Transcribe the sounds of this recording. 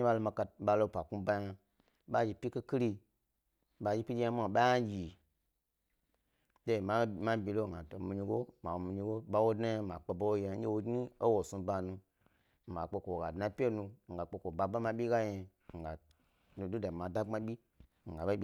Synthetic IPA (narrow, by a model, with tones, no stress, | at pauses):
ɲi˦ɓa˧lo˧ma˧ka˧ɓa˧lo˦˨pa˨ku˦ba˧ja˧ | ɓa˦d͡ʒi˨pʲi˦ke˦ki˦ɾi˧ | ɓa˧d͡ʒi˦pʲi˦d͡ʒe˦a˦m˦a˨ɓa˦ja˦d͡ʒi˨ | de˦˨ma˦ma˦bi˧lo˦˨a˨to˨mi˧ɲi˧ɡo˦ma˨wo˨mi˧ɲi˧˦ɡo˦ɓa˦wo˦dna˦˨ma˨k͡pe˨bo˦wo˦ja˨˦e˦wo˧ɡni˦o˦wo˨su˧ba˧nu˧˨ | ma˨k͡pe˧ko˨wo˨ɡa˨dna˧pʲe˦nu˧˨ŋ̩˨ɡa˨k͡pe˧ko˨ba˧ba˦ma˧ɓʲi˦ɡa˦je˧˨ | ŋ̩˨ɡa˨ | nu˨du˦da˨ma˨da˦ŋ͡ma˦ɓʲi˦˨ | ŋ̩˨ɡa˨ba˦i˨